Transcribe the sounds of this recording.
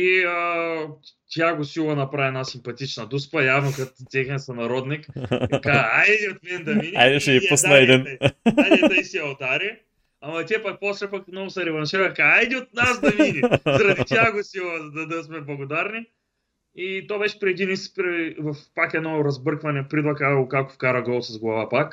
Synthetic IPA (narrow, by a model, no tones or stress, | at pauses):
iə | t̪jaɡosilˠɐnɐpɾaiɛnasimpɐt̪it͡ʃnɐd̪uspɐjavnokɐt̪t̪ɛxnɛsɐnɐɾɔd̪nikkaajd̪d̪iot̪mɛnd̪ɐvinia̰jd̪ɛʃɛiusnɐɛd̪inajdɛt̪ɐisiɐld̪aɾi | ɐmɐt̪iɛpɐk̚pɔslɛpɐkmnɔvʊsɐɾɛvɐnʃɛvɛkaajd̪iot̪̚nasd̪ɐvinʲizɐɾɐd̪ʲt̪jaɡosilˠɐzd̪ɐd̪ɐsmɛblˠɐɡod̪aɾni | it̪obɛʃɛ̥pɾiɛd̪inispɾivɐfpakɛd̪nɔɾɐzbɤɾkvɐnɛpɾid̪lˠɐkaokakʊ̥fkaɾɐɡɔlˠsɐzɡlˠɐvapak